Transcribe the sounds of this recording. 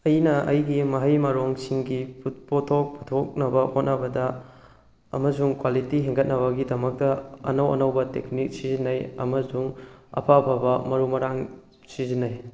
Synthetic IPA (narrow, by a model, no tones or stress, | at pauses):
ɐjnɐʔɐjɡimɐɦɐjmɐɾoŋsiŋɡipupotʰok̚putʰok̚nɐbɐhot̚nɐbɐdɐ | ɐ̰mɐsuŋkwalitiɦeŋɡɐt̚nɐβɐɡidɐmɐk̚tɐɐ̰nɐwɐ̰nɐwbɐteknik̚sizinɐjɐ̰mɐsuŋɐ̰pʰapʰabɐmɐɾumɐɾaŋ | sizinɐj